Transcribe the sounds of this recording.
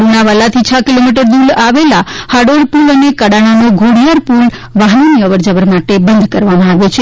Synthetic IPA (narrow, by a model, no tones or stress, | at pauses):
ɾunaʋalat̪ʰit͡ʃʰakilomiʈəɾd̪ulaʋelahaɽoɾpulənekəɽaɽ̃anoɡʱoɽijaɾpul | ʋaɦnoniəʋəɾd͡ʒəʋəɾmaʈebənd̪ʱkəɾʋamãaʋjot͡ʃʰe